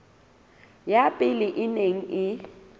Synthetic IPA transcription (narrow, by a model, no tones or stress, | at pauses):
japʼɪlɪʔɪneŋ̩ɪ